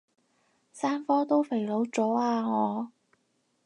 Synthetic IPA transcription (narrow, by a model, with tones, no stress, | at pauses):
saː˥nfɔː˥t̪o˥wfe˨˩jlo˨˧˥wt͡sɔː˨˥aː˧ŋɔː˨˧